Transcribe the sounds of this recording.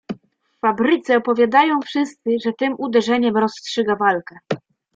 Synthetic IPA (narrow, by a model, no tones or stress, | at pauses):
ffabɾɘt̪sɛɔpɔvʲjad̪ajɔ̃w̃fʂɘst̪sɘʐɛt̪ɘmʔud̪ɛʐɛɲɛmɾɔstʂɘɡavalkɛ